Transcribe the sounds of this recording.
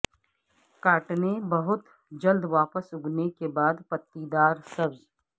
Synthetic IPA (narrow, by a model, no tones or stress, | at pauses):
kaːʈnebɐɦʊt̪ | d͡ʒɐld̪ʋaːpəsʊɡnekebaːd̪pət̪ːid̪aːɾsɐbz